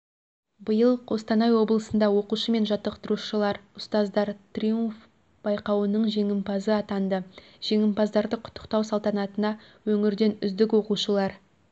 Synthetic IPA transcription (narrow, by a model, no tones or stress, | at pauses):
bəjəlˠʰo̞st̪ɑnɑjwo̞blˠəsənd̪ɑwo̞quʃəme̞nʒɑt̪ːəq̚t̪əɾuʃəlˠɑɾʊst̪ɑzd̪ɑɾt̪rʲijuɱf | b̥ɑjqɑwənəɴʒe̞ŋɪmpɑzəɑt̪ɑnd̪ə | ʒ̥e̞ŋɪmpɑzd̪ɑɾd̪əqʰʊ̥t̪ʰːə̥qt̪ɑwsɑlˠt̪ɑnɑt̪ənɑ | wɵŋɪɾd̪e̞nʏzd̪ɪkwo̞quʃəlˠɑɾ